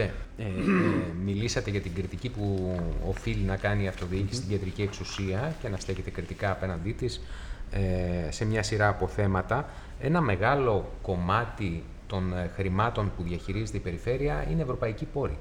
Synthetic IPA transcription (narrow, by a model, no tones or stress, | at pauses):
e | milisɐt̪e̞ʝɐt̪iɡɾit̪icipuo̞filinɐkɐniɐft̪o̞ðici̥sst̪iɟɐd̪ɾicieksusiɐce̞nɐst̪e̞çe̞t̪e̞kɾit̪ikɐːpe̞nɐnd̪it̪is | se̞mɲɐsiɾɐːpo̞θe̞mɐt̪ɐ | e̞nɐme̞ɣɐlo̞ko̞mɐt̪i | t̪o̞nxɾimɐt̪o̞npuðʝɐçiɾize̞t̪eipe̞ɾife̞ɾiɐine̞evɾo̞pɐicipo̞ɾi